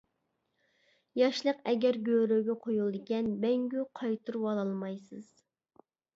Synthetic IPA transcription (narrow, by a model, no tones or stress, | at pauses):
jɑʃlˠəqɛɡʲɛɾɡʲøɾøɡʲɛqʰojulˠɨd̪ɪkʲɛnmɛŋɡʲyqʰɑjt̪ʰuɾwɑlˠɑlˠmɑjsɨz̥